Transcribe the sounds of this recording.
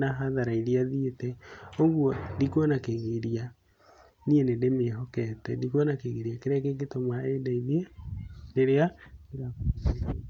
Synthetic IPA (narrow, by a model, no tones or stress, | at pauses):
naɦaðaɾaiɾiaðietɛoɣwɔndikwɔnakeɣeɾia | nienedemeɦɔkɛtɛndikɔnakeɣeɾiakeɾɛkeketɔmwaedaiðiedeɾeaeɣako